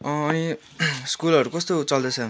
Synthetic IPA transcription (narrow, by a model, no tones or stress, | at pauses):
ʌːni | skulʌɾukʌst̪ot͡sʌld̪ʌt͡sʰʌ